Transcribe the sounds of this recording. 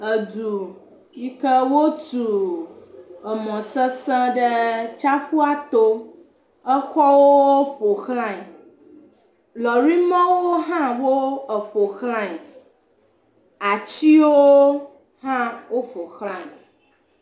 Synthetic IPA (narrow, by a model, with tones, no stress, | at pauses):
ə˨du˨ | ji˦kə˦wo˦tu˨ | ə˨mɔ̃˨sə˦sɛ̃˦ɖə˦t͡ʃa˦ɸu˦a˦t̪o˦ | ə˦xɔ˦wo˦ɸo˨xlã˦˨ | lɔ˨ɾi˦mã˦wo˦ɦã˦wo˦ə˨ɸo˨xlã˦˨ɲ˨ | a˨t͡ɕi˦wo˦ | hã˦wo˦ɸo˨xlã˦˨ɲ˨